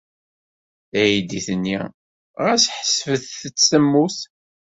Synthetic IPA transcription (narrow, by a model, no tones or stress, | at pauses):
æjid̪iθənːḭ | ʁæsħə̥svəθθət͡sːəmːuθ